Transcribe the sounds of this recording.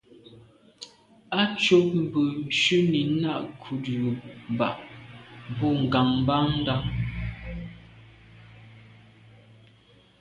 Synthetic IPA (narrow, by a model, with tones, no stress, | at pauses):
a˦t͡ʃo˦p̚m̩˨bə˨n̩˨ʃʉ˦ni˨˦na˦˨ʔkʰu˨du˨m˨ba˨ʔ | bɔ˦˨ŋ̩˨ɡa˨ŋm˦ba˦ŋn̩˦da˦